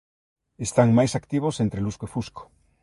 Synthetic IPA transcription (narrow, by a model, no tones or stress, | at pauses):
est̪aŋmajsakt̪iβ̞osent̪ɾeluskoifusko̥